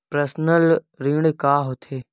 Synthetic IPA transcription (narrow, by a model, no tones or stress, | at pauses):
pɾəsnəl | ɾĩːɽ̃kaːɦot̪ʰeː